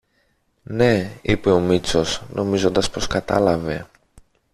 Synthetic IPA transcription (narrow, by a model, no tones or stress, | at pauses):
ne̞ipe̞o̞mit͡so̞snʔo̞mizo̞nd̪ɐspo̞skɐt̪ɐ̰lɐve̞